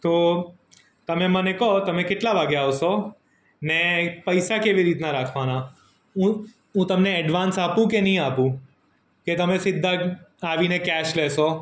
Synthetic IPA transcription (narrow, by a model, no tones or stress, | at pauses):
t̪o | t̪əmemənekɔt̪əmekeʈlaʋaɡeaʋʃo | nepəjsakeʋiɾit̪naɾakʰʋana | ũ | ũt̪əmneːɖʋansapũk̬enəɦĩapũ | ket̪əmẽsɪd̪ʱːaaʋinekɛʃlɛʃo